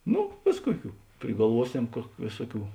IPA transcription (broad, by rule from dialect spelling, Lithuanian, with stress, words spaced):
ˈnʊ ˈʋʲeːs ˈkuɔˌkʲuː pʲrʲɪɡɐlˠˈʋuɔˌsʲɛm kuɔk ˈʋʲeːsuɔˌkʲuː